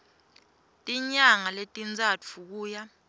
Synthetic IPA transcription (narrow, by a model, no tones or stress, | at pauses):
tʼiɲaŋaletʼind͡zʱat͡fʰuk̬uːja